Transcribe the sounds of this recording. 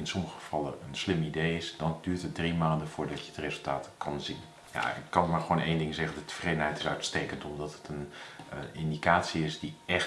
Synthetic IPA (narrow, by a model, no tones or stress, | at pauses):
ɪnsɔmɣəv̥ɑləənslɪmidejɪsdɔndyːɹtɦət̚drimaːndəfʊːɹdɑtjəətrezəlˠtaːtkʰɑnzin | ja̰kːɑnmaːɹχʋoːnʔejndɪŋzɛχəndətə̥freːdənɦɛjtɪ̥sœ̰ɥtsteːkəntɔmdɔtətʰən | ɪndikaːtsiɪsdiɛx